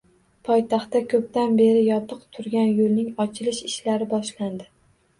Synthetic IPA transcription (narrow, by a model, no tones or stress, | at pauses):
pʰɒjt̪ʰɑχt̪ːakʲʰɵp̚t̪anbe̞ɾɪjɒt̪ʰɨqt̪ʰʊɾɡʲanjolnɪŋɒt͡ʃʰɪlɪʃɪʃlaɾɪbɒʃland̪ɪ